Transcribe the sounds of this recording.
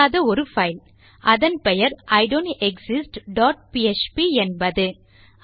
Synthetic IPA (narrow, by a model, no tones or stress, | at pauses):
aːðɐɔɾɯfɐɪl | ʔɐðɐnpɛjɐɾɐɪɖonɛksɪsʈɖaːʈ̚piɛt͡ʃpiɛnbɐðɯ